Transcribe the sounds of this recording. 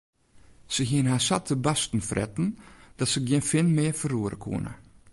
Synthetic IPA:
səɦiənhaːsatʰəbastn̩frʔɛ̰tn̩d̥ɔtsəɡjɪnfɪnmɪːfəruəɾʔə̰kʰṵənə̰

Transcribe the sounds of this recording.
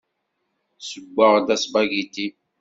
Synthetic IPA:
səɡʷːaʁdasbaɡiti

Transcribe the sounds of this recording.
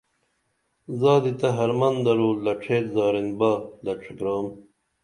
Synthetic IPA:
zaːd̪it̪ɐɦɐɾmɐnd̪ɐɾuːlɐʈ͡ʂʰeːt̪zaːɾinbaːlɐʈ͡ʂʰikɾaːm

